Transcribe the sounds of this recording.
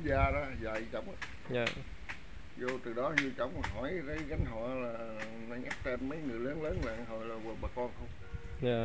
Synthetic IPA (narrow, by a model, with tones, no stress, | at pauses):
zaː˧ɗɔ˨˦za̰˨jt͡ɕə̰˧˩wŋ͡m | ɲaː˨˩ | zo˧t̪ɨ˨˩ɗɔ˨˦zɨ˧ət͡ɕɔ˧˩wŋ͡mɦɔ˨˧˩jzə˨˦jɣa˨˦ŋ̟ɦɔ̰˧˨˩laː˨˩ | na˧ŋʔa˦˥k̚t̪e˧nmə˨˦jŋɨ˨˩əjləː˨˦nləː˨˦nɓa̰ː˧˨ŋɦo˨˩jlaː˨˩waː˨˩ɓaː˨˩kɔ˧nxə˧wŋ͡m | ɲaː˨˩